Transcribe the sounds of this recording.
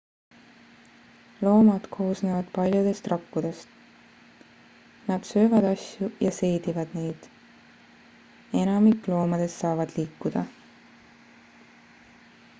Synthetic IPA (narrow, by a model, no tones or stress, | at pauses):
lo̞ːmɑd̪̥kʰo̞ːsneːvɑd̪̥pɑlʲjud̪̥e̞st̪rɑkːud̪̥e̞st̪ | nɑd̪̥sø̞ːvɑd̪̥ɑsʲjujɑse̞jd̪̥ivɑd̪̥ne̞jd̪̥ | e̞nɑmikːˑlo̞ːmɑd̪̥e̞sːɑːvɑd̪̥liːkːud̪̥ɑ